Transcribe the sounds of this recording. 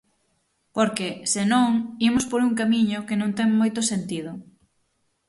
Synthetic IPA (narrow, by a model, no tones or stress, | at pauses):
poɾkesenõŋimʊspoɾuŋkamiɲʊkenõŋt̪ɛŋmojt̪ʊsent̪ið̞ʊ